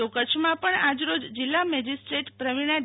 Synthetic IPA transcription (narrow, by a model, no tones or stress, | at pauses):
okət͡ʃʰmãpəɳad͡ʒɾod͡ʒd͡ʒilːamɛd͡ʒisʈɾeʈpɾəʋiɽ̃a